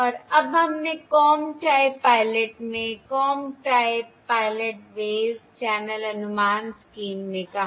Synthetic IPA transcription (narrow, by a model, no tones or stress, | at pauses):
ɔːɾɐbɦɐmnekɔːmʈaːɪbpaːɪleʈmẽkɔːmʈaːɪbpaːɪleʈʋeːzt͡ʃɛːnəlɐnʊmaːnskiːmːẽkɐɦ